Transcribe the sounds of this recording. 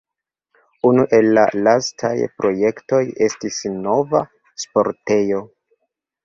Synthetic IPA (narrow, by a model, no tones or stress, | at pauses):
unuʔe̞lːa̰lastʰa̰jpɾo̞je̞kto̞je̞stisno̞va | spo̞ɾte̞jo̞